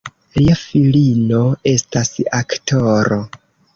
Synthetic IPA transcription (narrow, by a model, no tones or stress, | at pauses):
liafilino̞e̞stasaktʰo̞ɾo